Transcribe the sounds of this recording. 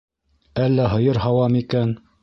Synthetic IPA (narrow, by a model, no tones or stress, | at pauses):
ælːæɦɤ̆jɤɾɦɑwɑmikæn